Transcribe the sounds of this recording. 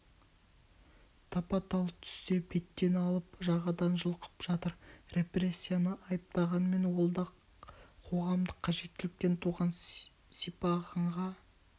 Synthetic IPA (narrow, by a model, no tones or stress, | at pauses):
t̪ʰɑpɑt̪ɑlˠəp̚t̪ʰʏ̥st̪e̞be̞t̪ːe̞nɑlˠəpʒɑʁɑd̪ɑnʒəlˠqə̥pʒ̥ɑt̪əɾre̞pre̞sʲːijanəʔɑjəp̚t̪ɑʁɑnme̞nwolˠd̪ɑ | qʰo̞ʁɑmd̪əqʰːɑʒe̞t̪ːɪlɪk̚t̪e̞nt̪ʰuʁɑn | sijpɑʁɑɴʁɑ